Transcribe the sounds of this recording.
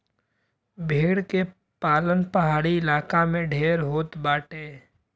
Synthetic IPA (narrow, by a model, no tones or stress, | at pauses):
bʱeːɽke | paːlənpɐɦaːɽiɪlaːkamẽɖʱeːɾɦoːt̪baːʈeː